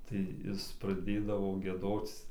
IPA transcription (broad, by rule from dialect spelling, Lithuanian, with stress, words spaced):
tɐɪ ˈjɪs prɐˈdʲeːdɐʋoː ɡʲiɛˈdoːt͡s